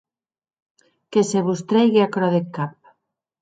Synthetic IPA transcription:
keseβust̪ɾejɣeakɾɔðekap̚

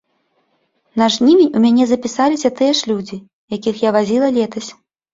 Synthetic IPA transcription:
nɐʐnʲimʲenʲumʲanʲɛzɐpʲisalʲisʲɐt̪ɨjɛʂlʲud͡zʲi | jakʲixjavazʲilˠɐlʲɛt̪ɐsʲ

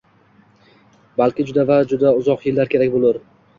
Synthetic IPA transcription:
balˠkʲɪd͡ʒʊd̪avad͡ʒʊd̪aʊzɒqjɪlːaɾkʲʰe̞ɾakʲbolˠɪɾ

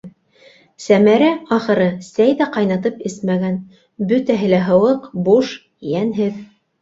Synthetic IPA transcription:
sæmæɾæɑχɤ̆ɾɤsæjðæqɑjnɑt̪ɤpɘsmæɡæn | bɵt̪æɦɘ̆læɦɤ̆wɤqbuʃ | jænɦɘð

